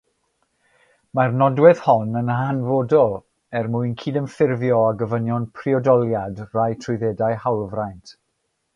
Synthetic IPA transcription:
marnɔdwɛð̥hɔnənɦanvodɔlˠ | ɛrmuɨnkʰiːdənfɪrvjɔaɡəvənjɔnpʰriɔdɔlˠjadrajtʰrʊɨðɛdajhawlˠvrajntʰ

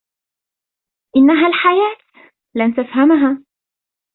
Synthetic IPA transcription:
ʔɪnːaɦaːlħajaːt̪ | lant̪afhamɦaː

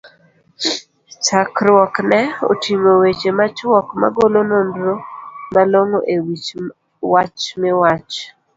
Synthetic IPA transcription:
t͡ʃakɾwɔknɛo̰tʰimowet͡ʃemat͡ʃwɔkma̰ɡolonondɾomaloŋoʔewit͡ʃ | wat͡ʃmɪwat͡ʃ

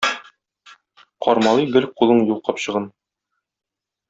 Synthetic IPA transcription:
qɒɾmɑlˠiɡɘlqulˠɤɴjulˠqɑpɕɤ̆ʁɤn

